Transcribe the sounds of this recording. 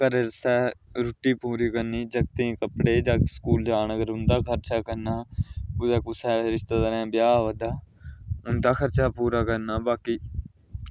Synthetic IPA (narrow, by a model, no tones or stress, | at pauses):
kəɾeɾəsɛːɾʊʈiːpuːɾiːkəɾniːd͡ʒəɡt̪ĩːkəpɽeːd͡ʒaːskuːld͡ʒaːnəɡəɾʊnd̪aːkʰəɾt͡ʃaːkəɾnaːʊd͡ʒ̪ɛːkʊsɛːɾɪʃt̪aːt̪əɾɛ̃ːbjaːʋəd̪aːʊnd̪aːkʰəɾt͡ʃaːpuːɾaːkəɾnaːbaːkiː